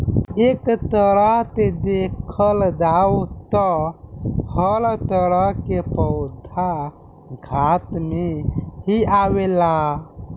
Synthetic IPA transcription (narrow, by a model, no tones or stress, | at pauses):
ekt̪əɾəɦt̪ed̪ekʰəld̪awt̪ɔ | həlt̪əɾəɦkepəwt̪ʰa | ɡʱat̪meɦiawela